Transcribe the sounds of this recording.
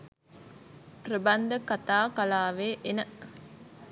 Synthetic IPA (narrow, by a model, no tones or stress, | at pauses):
ɾəbɐnd̪əkat̪aːkalaːʋeːʔenə